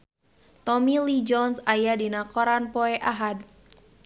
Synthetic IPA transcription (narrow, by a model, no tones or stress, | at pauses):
t̪ɔmilid͡ʒɔnsajadinakɔɾanpɔɛʔaɦad̪̚